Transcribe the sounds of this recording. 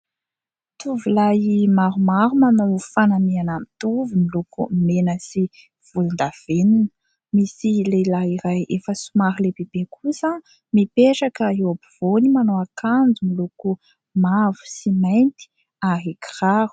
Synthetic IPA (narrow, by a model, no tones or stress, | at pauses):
t̪uvilajimaɾumaɾumanowfanamianamit̪uvumilukumenəsi | v̥ulind̪av̥enunə̥ | misilelaiɾajʔefəsumaɾilebebekʰusə | mipeʈ͡ʂakəewabuv̥onimanoakand͡zumiluku | mavu̥simajnt̪i̥ | aɦikiraɾu̥